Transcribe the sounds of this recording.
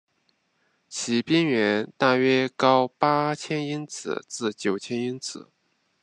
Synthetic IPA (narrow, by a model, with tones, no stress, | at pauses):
t͡ɕʰi˧˥pi˥ŋɥɛ˧˥nt̪a˥˩ɥɛ˥kɑ˥ʊpa˥t͡ɕʰjɛ˥ni˥nt͡sʰɹ̩̰˨˩t͡sɹ̩˥˩t͡ɕjo˨˩ʊt͡ɕʰjɛ˥ni˥nt͡sʰɹ̩˨˩˦